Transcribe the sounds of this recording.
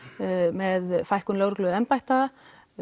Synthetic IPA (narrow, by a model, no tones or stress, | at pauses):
mɛðfajhkʏmloːɣɾʏklʏðɛmpajht̪a